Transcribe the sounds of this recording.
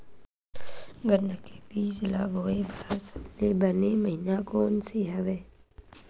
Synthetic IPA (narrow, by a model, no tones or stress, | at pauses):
ɡəɾnəke̥biːzɪlaːbʱoːeːbəlaːsəleːbəneːməɦinaːkoːnseɦəʋeː